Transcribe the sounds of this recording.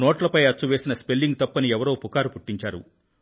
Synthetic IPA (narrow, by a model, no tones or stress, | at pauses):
noːʈlɐpɐjɐt͡ʃːuʋeːsinɐspelːiŋɡ̚t̪ɐpːɐniɛʋɐɾoːpukaːɾupuʈːiɲt͡ʃaːɾṵ